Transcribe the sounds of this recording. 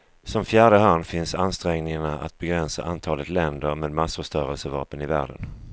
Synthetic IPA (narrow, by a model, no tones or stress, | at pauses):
sɔmfjæːɖəɦanːfɪnsanst̪ɾɛŋnɪŋaɳaʔa̰t̪̚bɛɡɾɛnsa̰ʔant̪ʰɑːlət̪lɛnd̪əɾmeːd̪masfəʂt̪œːɾəlsəvɑ̰ːpənɪvæ̰ːɖə̰n